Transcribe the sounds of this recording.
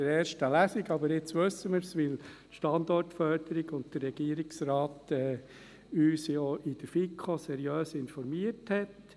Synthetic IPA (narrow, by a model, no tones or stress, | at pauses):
əɾɛːɾʃtəlæsiɡɑbəɾɪt͡sʋɵsːəmɪɾsʋɪltʃtɑnd̪ɔrtfœɾd̥əɾiɡʊntd̥əɾːɛɡ̥iəɾiksɾaːtɛː | yːsjoʔɪd̥əɾfikʰosɛɾjøːsɪnfɔɾmiəthɛt